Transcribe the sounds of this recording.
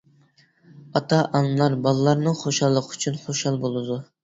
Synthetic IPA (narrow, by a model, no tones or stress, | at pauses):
ɑt̪ʰɑʔɑnlˠɑɾbɑlˠlːˠɑɾnɨχoʃɑlˠːəqʰy̥t͡ʃʰynχoʃɑlˠbolˠɨd̪u